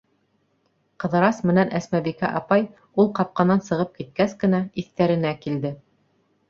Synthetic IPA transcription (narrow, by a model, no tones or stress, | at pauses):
qɤ̆ðɤ̆ɾɑsmɘ̆nænʔæsmæbikæʔɑpɑj | ulˠqɑp̚qɑnɑnsɤ̆ʁɤp̚kit̪̚kæskɘ̆næiθt̪æɾɘ̆nækild̪ɘ